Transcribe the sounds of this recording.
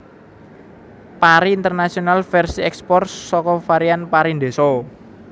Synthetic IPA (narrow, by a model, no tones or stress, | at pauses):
paɾiːnt̪ərnasionalfɛrsiɛkspɔrsːɔkɔfaɾianpaɾind̪e̤sɔ